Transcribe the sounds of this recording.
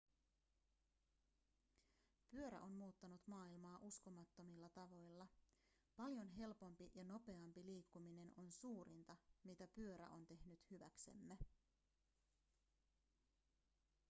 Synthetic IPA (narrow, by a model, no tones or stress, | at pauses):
pyøɾæ̰ʔo̞nmuːt̪ːɑnut̪mɑːilmɑːʔusko̞mɑt̪ːo̞milːɑt̪ɑʋo̞jlːɑ | pɑljo̞nɦe̞lpo̞mpijɑno̞pe̞ɑmpiliːkːumine̞nonsuːɾint̪ɑmit̪æpyø̞ɾæ̰ʔo̞nt̪e̞hnyt̪hyʋæ̰kse̞̰mːe